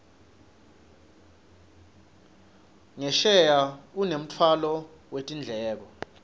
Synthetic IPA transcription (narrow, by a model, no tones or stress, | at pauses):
ŋɛʃɛjaunem̩t͡fʰwalɔ | wetʼind͡ɮʱɛːk̬ɔ